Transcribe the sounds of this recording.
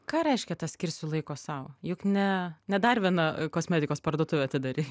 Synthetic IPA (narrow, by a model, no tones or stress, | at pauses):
kɑːɾʲɛɪʃʲkʲɛt̪ɐsʲkʲɪɾʲrʲsʲʊlˠɐɪkoːsɐʊjʊknʲɛnʲɛd̪ɐrʋʲiɛnɐkoːsʲmʲæːd̪ʲɪkoːspɐrd̪uɔt̪ʊʋʲɛɐtʲɪd̪ɐɾʲiː